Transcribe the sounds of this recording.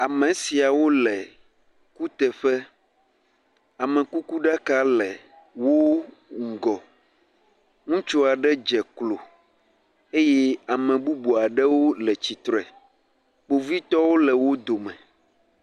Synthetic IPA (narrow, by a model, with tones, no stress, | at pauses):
a˨mɛ̃˨si˨a˨wo˦lɛ˨ | ku˦t̪ɛ˨ɸɛ˦ | a˨mɛ̃˨ku˦ku˦ɖa˦ka˦lɛ˨ | wo˦ | ŋ̩˨ɡɔ˨ | ŋũ˦t͡ʃo˦a˨ɖɛ˦d͡ʒɛ˨klo˨ | e˦jɛ˦a˨mɛ̃˨bu˦bo˨a˨ɖɛ˦wo˦lɛ˨t͡ɕi˨t̪ɾɛ˨ | k͡po˨vi˦t̪ɔ˦wo˦lɛ˨wo˦d̪o˨mɛ̃˨